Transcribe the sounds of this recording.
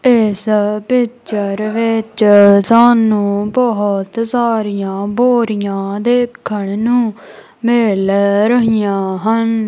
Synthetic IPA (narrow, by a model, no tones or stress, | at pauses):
ɪspɪtʃəɾʋɪt͡ʃsaːnũːbəɦət̪saːɾijãːboːɾɪjãːd̪eːkʰːəɳnũː | mɪlɾəɦɪjãːɦən